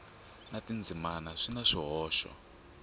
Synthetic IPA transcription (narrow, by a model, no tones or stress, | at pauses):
natind͡zʱimanaʂinaʂiɦɔːʃɔ̰